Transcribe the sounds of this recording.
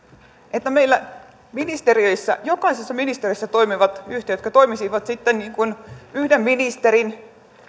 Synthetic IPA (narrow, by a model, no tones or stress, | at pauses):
ʔet̪ːæmeilːæ | minist̪eriøisːæ̰jokɑisesːɑminist̪erisːæt̪oimiʋɑt̪yht̪ejøt̪kɑt̪oimisiʋɑt̪sit̪ːenniːŋkunyhdemminist̪eɾin